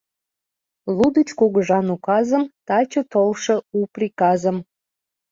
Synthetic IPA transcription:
lˠud̪ət͡ɕkoɣəʒɑnukɑzəmt̪ɑt͡ɕət̪olʃɤ̆uprikɑzəm

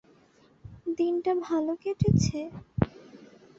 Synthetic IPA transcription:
d̪inʈabʱalokeʈʰet͡ɕʰe

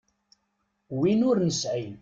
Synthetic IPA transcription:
winʊɾnəsʕin

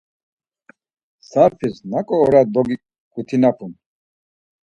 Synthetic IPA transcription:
saɾpʰisnakʼɔːɾad̪ɔɡi | ɡ̥ut̪ʰinapʰun

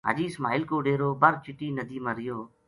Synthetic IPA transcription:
ɦə̰d͡ʒiːsmaːɪlkoːɖeːɾoːbəɾt͡ʃɪʈiːnəd̪iːmãːɾɪjoː

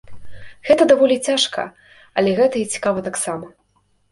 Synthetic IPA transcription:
ɣɛt̪ɐd̪avɔlʲit͡sʲaʂkɐ̰ | ɐ̰lʲɛɣɛt̪ɐit͡sʲi̥kavɐt̪aksamɐ

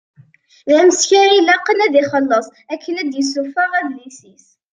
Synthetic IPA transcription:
ðæməsçæɾilæqːənæðiχəlːəsˤækːənæd̪jəsufəʁæblisis

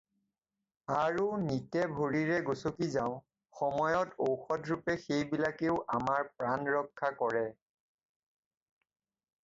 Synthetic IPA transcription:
aɹunitɛbʱoɹiɹɛɡosokizaʊ̃ | xɔmɔjɔtowxɔdɹupɛxejbilakeʊʔamaɹpɹanɹɔkʰːakɔɹɛ

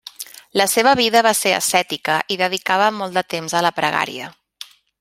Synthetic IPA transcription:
ləseβəβ̞iðəβaseə̰sɛt̪ikəʔiðəð̞ikaβəmɔlˠd̪ət̪emzələpɾəɣa̰ɾḭə

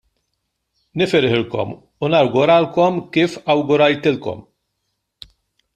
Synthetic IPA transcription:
nɪfɪɾɪħɪlkɔ̰m | unɐɾɡʊɾɐlkɔmkiːfɐwɡʊɾɐjt̪ɪlkɔ̰m

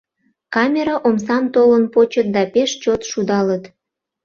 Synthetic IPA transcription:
kɑmʲeɾɑʔomsɑmt̪olənpot͡ɕət̪̚d̪ɑpeʃt͡ɕot̪ʃud̪ɑlət̪

